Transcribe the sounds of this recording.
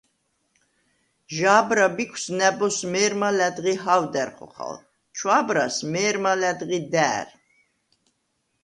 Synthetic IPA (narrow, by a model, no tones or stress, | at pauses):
ʒaːbɾabikʰsnɛbɔsmɛːɾmalɛd̪ɣiɦawd̪ɛɾχɔ̰χa̰l | t͡ʃʰwabɾa̰smɛːɾmalɛd̪ɣid̪æːɾ